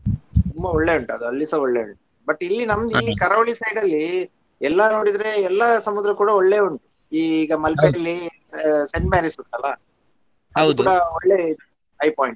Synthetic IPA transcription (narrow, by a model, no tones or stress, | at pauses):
t̪umbɐɔɭːe̞uɳʈuɐd̪uɐlːisɐɔɭːeuɳʈu | bɐʈːilːinɐmd̪ikɐɾɐʋɭisɐjɖɐlːi | ɛlːɐno̞ːɽid̪ɐɾe̞ɛlːɐsɐmud̪ɾɐkuːɽɐoɭːe̞ːuɳʈu | iːɡɐmɐlpɐjɐlːi | seɳɖmaːnɾisod̪ɐlːɐ | ɐɐudk̪uːɽɐoɭːei | ɐjpaːjiɳʈ